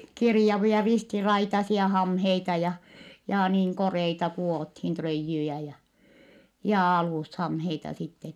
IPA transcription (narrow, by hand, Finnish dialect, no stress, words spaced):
kirjɑʋiɑ ristirɑitɑsiɑ hɑmheitɑ jɑ jɑ niːŋ koreitɑ kuoˑthin trøijːyjæ jɑ jɑ ɑluˑshɑmheitɑ sitːen